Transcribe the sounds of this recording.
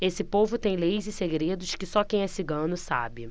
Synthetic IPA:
esɪpovʊt̪ẽj̃lejzɪseɡɾed̪ʊʃkɪsɔkẽj̃ɛsiɡɐ̃nʊsa̰bɪ

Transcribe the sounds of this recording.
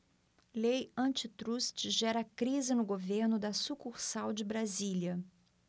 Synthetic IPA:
lejɐ̃t͡ʃɪt̪ɾust͡ʃɪʒɛɾɐːkɾizɪnʊɡoveɾnʊd̪ɐsukuχsawd͡ʒɪbɾaziljɐ

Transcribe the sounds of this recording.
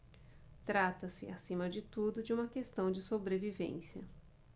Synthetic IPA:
t̪ɾat̪ɐsɪ̰a̰sĩmɐd͡ʒɪt̪ud̪ʊd͡ʒɪũmɐkest̪ɐ̃w̃d͡ʒɪsobɾevivḛ̃sjɐ

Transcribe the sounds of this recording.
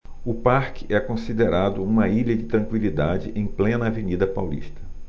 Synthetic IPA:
ʊpaɾkɪ̥ʔɛkõsid̪eɾad̪ʊũmɐiʎɐd͡ʒɪt̪ɾɐ̃kwilid̪ad͡ʒɪʔẽj̃plẽnɐːvenid̪ɐpawlḭʃt̪ɐ̥

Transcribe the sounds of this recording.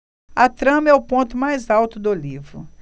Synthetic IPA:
ɐt̪ɾɐ̃mɛʊpõnt̪ʊmajzawt̪ʊd̪olivɾʊ̰

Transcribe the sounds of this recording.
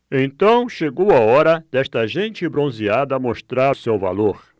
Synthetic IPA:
ẽnt̪ɐ̃w̃ʃeɡowɐɔɾɐd̪̥ɛst̪ɐʒẽnt͡ʃɪbɾõziad̪ɐmoʃt̪ɾaɾsewva̰loɾ

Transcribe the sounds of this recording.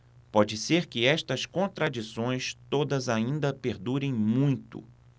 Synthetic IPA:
pɔd͡ʒɪseɾkɪɛʃt̪ɐskõnt̪ɾad͡ʒisõj̃st̪od̪ɐzaĩnd̪ɐpeɾd̪uɾẽj̃mũj̃t̪ʊ̰

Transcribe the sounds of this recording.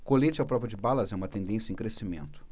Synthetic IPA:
kolet͡ʃɪapɾɔvɐd͡ʒɪbalɐzɛũmɐt̪ẽnd̪ẽsjɐẽj̃kɾesimḛ̃nt̪ʊ̥

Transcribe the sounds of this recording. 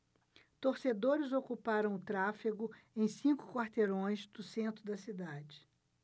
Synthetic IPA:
t̪oɾsed̪oɾɪzokupaɾɐ̃w̃ʊt̪ɾafiɡʊẽj̃sĩŋkʊ̥kwaɾt̪eɾõj̃zd̪̥ʊsẽnt̪ɾʊd̪ɐsid̪ad͡ʒɪ

